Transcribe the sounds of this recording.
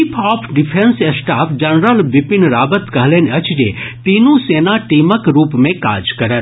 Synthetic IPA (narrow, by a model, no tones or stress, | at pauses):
pʰɔːpʰɖɪpʰensesʈaːpʰd͡ʒɐnɾəlʋɪpɪnɾaːbət̪kəɦlenɐt͡ʃd͡ʒḛt̪iːnũseːnaʈiːməkɾuːpmẽka̰ːd͡ʒkɐɾət̪